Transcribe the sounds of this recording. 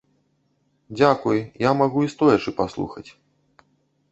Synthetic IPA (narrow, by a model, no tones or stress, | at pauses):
d͡zʲakujjamaɣuist̪ɔjɐt͡ʂɨpaslˠṵxɐt͡sʲ